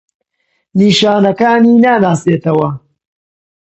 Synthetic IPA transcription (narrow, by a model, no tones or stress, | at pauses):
niːʃaːnɐkaːniːnaːnaːseːt̪ɐwɐ